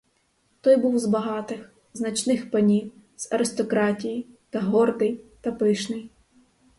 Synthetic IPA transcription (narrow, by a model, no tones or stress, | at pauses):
t̪ɔjbuwzbɐɦɑt̪ɪx | znɐt͡ʃnɪxpɐnʲiwz̥ɐɾɪst̪ɔkɾɑtʲijit̪ɐɦɔrd̪ɪjt̪ɐpɪʃnɪj